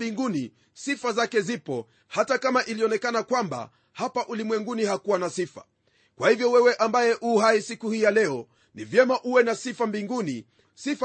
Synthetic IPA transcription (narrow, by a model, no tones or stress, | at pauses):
biŋɡuni | sifazakɛzipɔ | hatakamaʔiliɔnɛkanakwamba̰ | hapaʔulimwɛŋɡunihakuwanasifa̰ | kwahivjɔwɛwɛʔambajɛʔuɦaisikuhijalɛɔ | nivjɛmaʔuwɛnasifambiŋɡuni | sif